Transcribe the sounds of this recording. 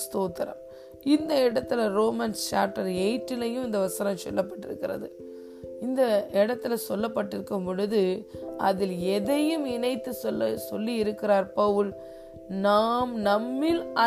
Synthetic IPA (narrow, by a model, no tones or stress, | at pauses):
st̪oːt̪ːɐɾɐ̰m | ɪnd̪ɐɪɽɐt̪ːɪlɐɾoːmɐnst͡ʃaːʈːɐɾɛɪʈːɪlɐjɯmɪnd̪ɐʋɐsɐnɐmsɔ̰lːɐpːɐʈːɪ̰ɾɯkːɪɾɐ̰ðɯ | ɪnd̪ɐɪɽɐt̪ːɪlɐsɔlːɐpːɐʈːɪɾɯkːɯmpɔɻɯðɯɐ̰ðɪlɛðɐjɯmɪnɐɪt̪ːɯsɔlːsɔlːiɪɾɯkːɪɾaːɾpɐʋɯl | naːmnɐmːɪlɐ